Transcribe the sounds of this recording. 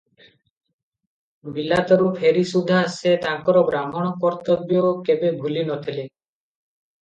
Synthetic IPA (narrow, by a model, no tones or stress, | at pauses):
bilat̪ɔɾupʰeɾisud̪ʱaːset̪aŋkɔɾɔbɾamɔɽ̃ɔkɔɾt̪ɔbjɔkebebʱulinɔt̪ʰile